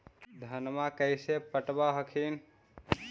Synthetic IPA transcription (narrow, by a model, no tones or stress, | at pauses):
d̪ʱənmakəjsepəʈbaɦəkʰin